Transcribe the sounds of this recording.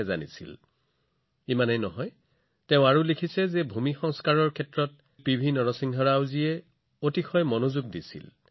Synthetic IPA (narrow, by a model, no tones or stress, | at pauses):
za̰nḭsḭl | imanɔjnɔɦɔj | tɛʊ̃aɹulekʰisɛzɛbʱumixɔŋskaɹɔɹkʰɛtɹɔt̚ | pibʱinːɔɹɔsiŋɦɔɹawziɛ | otikʰɔjmɔnozuɡ̚disḭl